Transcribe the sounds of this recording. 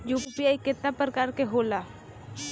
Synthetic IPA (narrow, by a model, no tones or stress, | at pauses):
juːpipiaikɪt̪napɾəkaːɾkeɦoːla